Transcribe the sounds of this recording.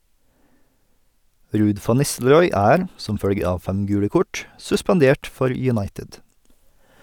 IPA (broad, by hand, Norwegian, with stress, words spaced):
ˈɾʉːd ˈfɑn ˈnɪstl̩ɾɔʏ ˈæːɾ ˈsɔm ˈfœɽɡə ˈɑːʋ ˈfæm ˈɡʉːɽə ˈkɔʈ sʉspɑnˈdeːʈ ˈfɔɾ jʉˈnɑɪtɪd